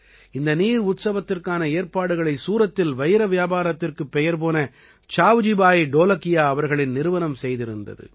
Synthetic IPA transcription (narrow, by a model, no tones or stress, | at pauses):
ɪnd̪ɐniːɾʊt̪sɐʋɐt̪ːɪrkaːnɐeːɾpaːɽɯɣɐɭɐɪsuːɾɐt̪ːɪlʋɐjɪɾɐʋɪjaːbaːɾɐt̪ːɪrkɯpːɛjɐɾp̬oːnɐ | t͡ʃaːʋd͡ʒɪbaːjɪɖoːlɐkɪjaːɐʋɐɾɣɐɭɪnnɪɾɯʋɐnɐmsɛjðɪɾɯnd̪ɐ̰ðɯ̰